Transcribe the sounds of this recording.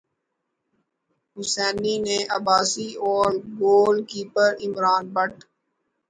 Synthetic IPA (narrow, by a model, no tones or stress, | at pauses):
ɦʊsɛːninẽʔɐbaːsiɔːɾboːlkiːpəɾɪmɾaːnbəʈ̚ʰ